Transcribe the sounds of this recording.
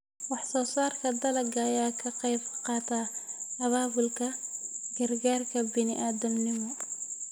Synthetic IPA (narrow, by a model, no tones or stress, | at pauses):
wɑħsɔːsaːrkʰɐd̪ɐlɐɡɐjaːkʰɐqɛjbqɑːt̪ʰaːɐβaːβʊlkʰɐɡɐrɡaːrkʰɐbɪnɪʔaːd̪ɐmnɪmɔ